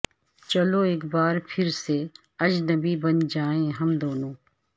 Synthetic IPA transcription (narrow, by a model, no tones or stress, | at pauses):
t͡ʃɐloeːkbaːɾpʰɪɾse | ɐd͡ʒnɐbibɐnd͡ʒaːẽɦɐmd̪oːnõː